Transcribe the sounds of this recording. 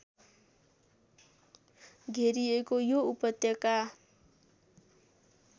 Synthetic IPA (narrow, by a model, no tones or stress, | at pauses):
ɡʱeɾiekojoupʌt̪jʌka